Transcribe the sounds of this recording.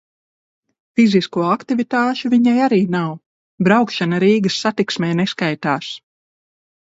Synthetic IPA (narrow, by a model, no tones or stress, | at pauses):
fiziskuɔakt̪ivit̪aːʃuviɲajaɾiːnaw | bɾawkʃanaɾiːɡɐsːat̪iksmɛːneskajt̪aːs